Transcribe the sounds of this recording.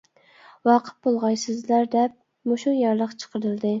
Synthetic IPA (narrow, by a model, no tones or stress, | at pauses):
wɑqʰə̥t̪̚bolˠʁɑjsɪzlæɾd̪ɛp̚ | moʃujɑɾlˠəqt͡ʃʰə̥qʰəɾɨlˠd̪ɨ